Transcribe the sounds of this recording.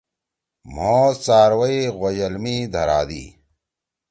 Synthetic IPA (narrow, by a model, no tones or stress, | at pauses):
m̤oːsaːɾwɐiɣojɐlmiːd̪ʱɐɾaːd̪ḭː